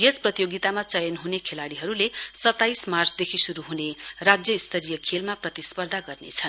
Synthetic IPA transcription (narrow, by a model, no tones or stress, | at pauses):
jesprʌt̪ijoɡit̪amat͡sʌjʌnɦunekʰelaɽiɦʌɾulesʌt̪ːajsmart͡sʰd̪ekʰisuɾuɦunerad͡zjʌist̪ʰʌɾijʌkʰelmaprʌt̪ispʌrd̪ʱaɡʌrnḛt͡sʰʌn